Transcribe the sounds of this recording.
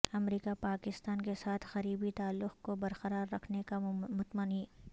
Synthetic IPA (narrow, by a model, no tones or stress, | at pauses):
ɐmɾiːkapaːkɪst̪aːnkesaːt̪ʰxɐɾiːbit̪aːlːʊqkobɐɾqɐɾaːɾːɐkʰnekamʊt̪məniː